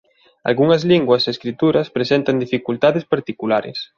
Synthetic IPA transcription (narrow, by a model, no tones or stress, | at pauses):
a̰lɣuŋɐzliŋɡwɐseeskɾit̪uɾɐspɾesent̪ɐnd̪ifikult̪aðɪspaɾt̪ikulaɾɪ̰s